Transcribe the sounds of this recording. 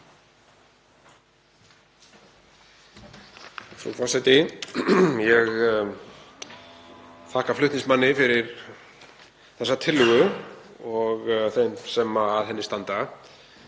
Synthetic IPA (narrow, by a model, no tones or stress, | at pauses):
fɾṵfasat̪ɪ | jɛɣ | θʰahkaflʏht̪nɪ̃ŋsmanːɪfɪɾɪɾ | θɛsːat̪ʰɪlːʏɣʏ | ɔɣθensɛmaːðɦɛnːɪst̪ant̪a